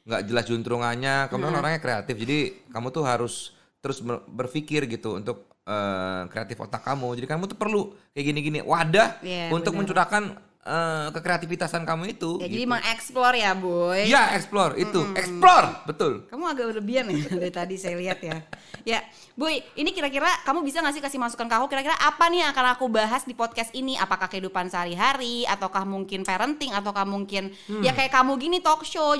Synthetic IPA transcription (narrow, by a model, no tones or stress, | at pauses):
ŋɡa̰ʔd͡ʒəlasd͡ʒunt̪ɾʊŋaɲakamuŋanoɾaŋɲakɾeat̪ɪfd͡ʒadikamut̪ʊɦaɾʊs | t̪əɾʊsbəbərfikɪrɡit̪ṵːnt̪ʊk̚ | əːkɾeat̪ɪfo̰t̪akːamud͡ʒadikamut̪upərlukajaɡiniɡinḭwʔadahjaunt̪ʊk̚məɲt͡ʃudakan | əkəkɾeat̪ifit̪asankamuit̪ujad͡ʒadimaŋɛksplɔrjabojjaɛksplɔrḭt̪uɛksplɔrbət̪ʊlkamuaɡaʔbərbianjadat̪adisajaliɦat̪̚jaja | bojinikiɾakiɾakamubisaŋas̬ɪhkasɪhmasu̥kankəakukiɾakiɾaʔapaniakanakubaɦasdipɔd̪̚kɛst̪iniʔapakahkəɦidupansəɦaɾiɦaɾiat̪awkahmuŋkɪnfaɾənt̪ɪŋat̪awkahmuŋkɪn | jakajakamuɡinit̪ɔkʃo